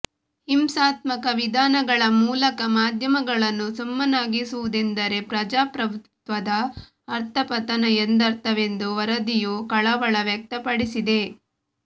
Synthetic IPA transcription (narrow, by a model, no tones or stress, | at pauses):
himsaːt̪mɐkɐʋid̪ʱaːnɐɡɐɭɐmuːlɐkɐmaːd̪ʱjɐmɐɡɐɭɐnːusumːɐnaːɡisuʋud̪end̪ɐɾe̞pɾɐd͡ʒaːpɾɐbʱut̪ʋɐd̪ɐː | ɾt̪ʰɐpɐt̪ɐnɐend̪ɐɾt̪ɐʋe̞nd̪uʋɐɾɐd̪ijukɐɭɐʋɐɭɐʋjɐk̚t̪ɐpɐɽisid̪e̞